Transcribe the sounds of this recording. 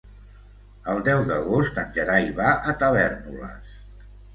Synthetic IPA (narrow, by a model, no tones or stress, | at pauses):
əlˠd̪ɛwðəɣost̪ənʲʒəɾaiβaʔət̪əβɛrnulə̰s